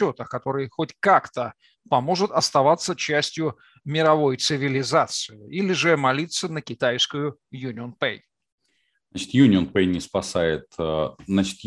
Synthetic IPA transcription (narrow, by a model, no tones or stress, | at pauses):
o̞t̪əkɐt̪o̞ɾɨjxotʲkakt̪ə | pɐmo̞ʐɨt̪ɐst̪ɐvat̪sːət͡ɕæsʲtʲjʊ | mʲɪɾɐvo̞jt̪sɨvʲɪlʲɪzat̪sɨɪilʲɪʐɨmɐlʲit̪sɨnəkʲɪt̪ajskʊjʊ | junʲɪonpḛj | nat͡ɕɪ̥t̪junʲɪonpejnʲɪspɐsajɪt̪əznat͡ɕɪ̥t̪